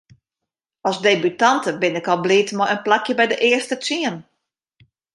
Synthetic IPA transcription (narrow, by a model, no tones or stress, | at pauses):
ɔsdeːbytantəbɪnɪkɔlˠbliːtmɔjənplakʰjəbɛjdəʔɪəstət͡siən